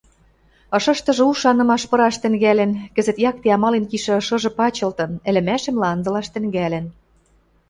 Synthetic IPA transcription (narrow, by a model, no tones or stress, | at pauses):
ɤ̆ʃɤ̆ʃt̪ɤ̆ʒɤ̆uʃɑnɤ̆mɑʃpɤ̆ɾɑʃt̪ɘ̆ŋɡælɘ̆nkɘ̆zɘ̆t̪jɑk̚t̪eɑmɑlenkiʃĕɤ̆ʃɤ̆ʒɤ̆pɑt͡ɕɤ̆lt̪ɤ̆nɘ̆lɘ̆mæʃɘ̆mlɑnzɤ̆lɑʃt̪ɘ̆ŋɡælɘ̆n